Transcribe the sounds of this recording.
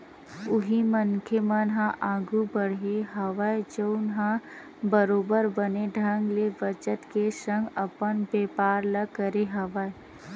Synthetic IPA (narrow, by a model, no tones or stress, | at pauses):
ʊɦimənkʰemənɦãʔaːɡubəɽ̤ɦeɦɐʋajd͡ʒəʊnɦã | bəɾoːbəɾbəneɖʱə̃ŋɡleʋət͡ʃət̪kesə̃ŋɡɐpənbeːpaːɾləɡkːəɾeɦɐʋae